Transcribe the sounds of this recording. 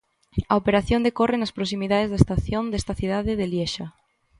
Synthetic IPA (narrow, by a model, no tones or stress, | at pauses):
ɐopeɾaθjond̪ekorenaspɾos̬imiðaðezðaest̪aθjond̪est̪aθiðaðeðeljeʃa